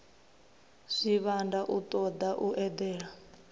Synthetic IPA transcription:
ʂiβandaʔut̪ʼɔd̪aʔuʔɛd̪ɛːɺa

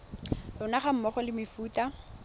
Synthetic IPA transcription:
lʊnaχam̩mɔχɔlɪmɪfuːta

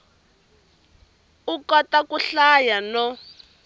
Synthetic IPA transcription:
ukɔtakuɬajanɔ

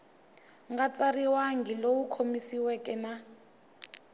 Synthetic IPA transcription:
ŋɡat͡sʼariwaŋɡilowukʰomisiwɛkʼɛna

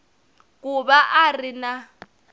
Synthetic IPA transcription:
k̬ʼubaʔarina

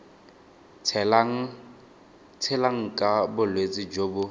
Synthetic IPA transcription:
t͡sʰɪlaŋ̩kʼabʊlwet͡sʼɪd͡ʒoːbʊ

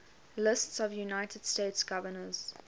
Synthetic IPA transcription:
lɪstsɔvjunaɪtəd̥steɪtsɡ̥ʌvənəz̥

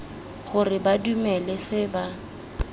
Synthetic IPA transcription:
χʊrɪbadumɛlɛsɪba

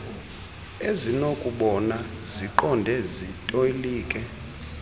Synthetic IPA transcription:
ezinokʼuɓɔnaziǃɔndʱɛzitʼoiliːkʼɛ

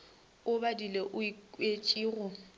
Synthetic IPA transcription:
ʊbadileʔʊet͡ʃʼiːɣʊ

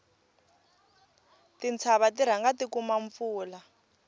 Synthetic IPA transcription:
tint͡sʰaβatiɾ̤aŋɡatikumaɱfuːla

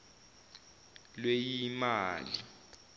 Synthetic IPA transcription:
lwejimaːli

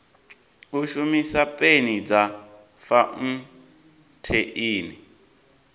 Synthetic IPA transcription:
uʃumisapʼenid͡za | faŋ̩ | tʰeʔiːni

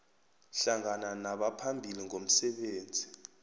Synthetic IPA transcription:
ɬaŋananaɓapʰambʱiliŋom̩sɛɓeːnd͡zʱi

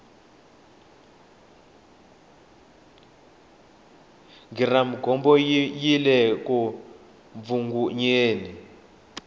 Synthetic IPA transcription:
ŋɡiramiɡʱɔmbɔjilɛku | ɱvuŋɡuɲeːni

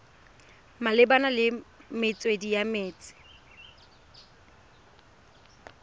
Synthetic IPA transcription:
malɪbanalɪmɪt͡sʼwedijameːt͡sʼɪ̥

